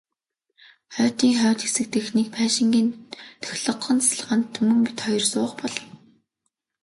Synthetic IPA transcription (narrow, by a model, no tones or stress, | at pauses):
χœːt̪iːŋχœːt̪xesɘ̆k̚t̪ɘ̆xnek̚pʰæːʃɪ̆ŋɡʲiːnt̪ʰœ̥xʲɮɞ̆qːɞ̆nt͡sɮəʁə̆nt̪ʰːɵmɘ̆ŋpit̪χɔjɞ̆rsʊːχpɔɮɞ̆n